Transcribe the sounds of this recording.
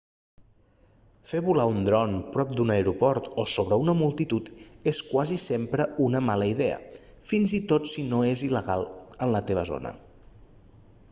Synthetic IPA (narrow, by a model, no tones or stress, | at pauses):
feβulaund̪ɾɔnpɾɔp̚d̪unəeɾupɔɾt̪osoβɾəunəmulˠt̪it̪ut̪eskwazisempɾəunəmaləiðɛə̰ | finzit̪ot̪sinoeziləɣalˠənlət̪eβ̞əzo̰nə̰